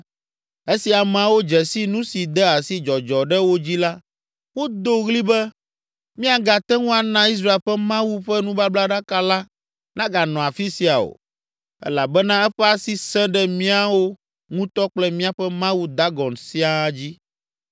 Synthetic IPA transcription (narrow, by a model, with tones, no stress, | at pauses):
e˦si˨a˨m̃˨a˨wo˦d͡ʒɛ˨si˦nũ˦si˨d̪ɛ˦a˨si˦d͡ʒɔ˨d͡ʒɔ˨ɖɛ˦wo˦d͡ʑi˦la˦ | wo˦d̪o˦ɣli˦bɛ˦ | mĩ˦a˨ɡa˨t̪ɛ˦ŋũ˦a˨nã˦i˦s̬ɾa˦e˨lɸɛ˦mã˦wu˦ɸɛ˦nũ˦ba˦bla˦ɖa˦ka˦la˦ | nã˦ɡa˨nɔ̃˨a˨fi˦si˨a˨o̰˨ | ɛ̰˦la˨bɛ˦nã˦ɛ˦ɸɛ˦a˦si˦sɛ̃˦ɖɛ˦mĩ˦a˨wo˦ | ŋũ˦t̪ɔ˦k͡plɛ˦mĩ˦a˨ɸɛ˦mã˦wu˦d̪a˦ɡɔ˨nsi˦a˨˦d͡ʑi˦